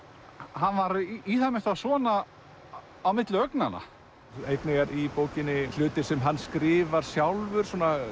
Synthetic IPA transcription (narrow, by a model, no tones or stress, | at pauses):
hanvaɾiθamɪ̥t̪asɔːna | awmɪt̪lʏœknana̰ | ejt̪nɪɣaɾipoːwcɪnːɪl̥ʏːt̪ɪsɛmɦanːskɾɪːvaɾ̥sjawlvʏɾ̥sɔːna